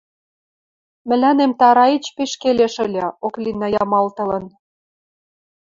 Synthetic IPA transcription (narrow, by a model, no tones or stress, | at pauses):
mɘ̆lænemt̪ɑɾɑit͡ɕpeʃkeleʃə̆lʲɑoklinːɑjɑmɑlt̪ɤ̆lɤ̆n